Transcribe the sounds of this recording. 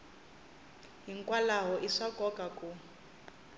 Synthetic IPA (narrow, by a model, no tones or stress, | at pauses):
ɦiŋkʼwalaɦɔʔiʂakɔkaku